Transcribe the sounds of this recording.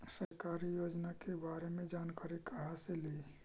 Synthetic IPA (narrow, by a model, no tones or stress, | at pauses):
səɾkaːɾijoːd͡ʒnakebaːɾemẽd͡ʒaːnkaːɾikəɦasele